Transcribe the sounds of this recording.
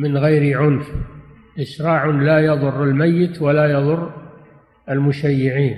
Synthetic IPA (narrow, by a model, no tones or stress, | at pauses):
mɪnɣajɾiʕʊnf | ʔɪʃɾˤɑːʕʊnlajɑðˤʊrːalmajːɪt̪walajɑðˤʊrˤː | ʔalmʊʃajːɪʕiːn